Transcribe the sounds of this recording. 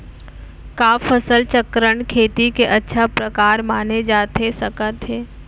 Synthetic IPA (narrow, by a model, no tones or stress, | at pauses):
kaːfəsəlt͡ʃəkɾəɳ̃kʰeːt̪ikeʔɐtːʃʰapɾɐkaːɾmaːned͡ʒaːt̪esɐkət̪ɦeː